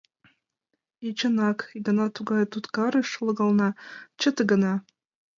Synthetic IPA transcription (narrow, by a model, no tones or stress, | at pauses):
it͡ɕɤ̆nɑkɡɤ̆nɑt̪uɡɑjt̪ut̪kɑɾɤ̆ʃlˠɤ̆ɣɑlˠnɑt͡ɕə̆t̪ɡɤ̆nɑ